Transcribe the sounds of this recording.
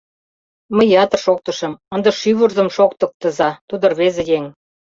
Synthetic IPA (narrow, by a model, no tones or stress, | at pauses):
məjɑt̪ɤ̆rʃok̚t̪ɤ̆ʃɤ̆mə̆nd̪ɤ̆ʃyβurzɤ̆mʃok̚t̪ɤ̆k̚t̪ə̆zɑt̪ud̪ɤ̆rβezĕjeŋ